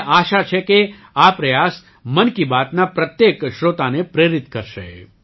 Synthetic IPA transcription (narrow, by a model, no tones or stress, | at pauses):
ʔaʃat͡ʃʰeke | apɾəjas | mənkibat̪napɾət̪jekʃɾot̪anepɾeɾit̪kəɾʃḛ